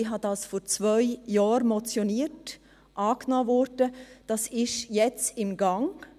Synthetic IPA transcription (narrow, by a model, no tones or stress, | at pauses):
iɦɑdɑsfoɾt͡svœʏjɑːɾmɔt͡sjoniːt | ʔɑːknɔːvɔɾd̥əd̥ɑsɪʃjɛt͡sɪmɡɑŋ